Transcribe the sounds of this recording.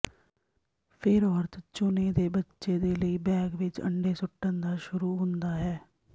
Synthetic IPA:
pʰɪɾɔːɾt̪ʰt͡ʃʊneːd̪eːbətːʃeːd̪eːləiːbɛːɡʋɪt͡ʃə̰ɳɖeːsʊʈːənd̪aːʃʊɾuːɦʊ̃nd̪aːɦɛː

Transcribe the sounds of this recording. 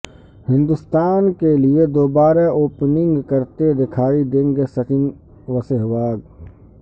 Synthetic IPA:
hɪ̃nd̪ʊst̪aːnkelied̪oːbaːɾeoːpnɪ̃ŋɡkɐɾt̪ed̪ɪkʰaːid̪ẽːŋɡesɐt͡ʃɪn | ʋɐseɦʋaːɡ

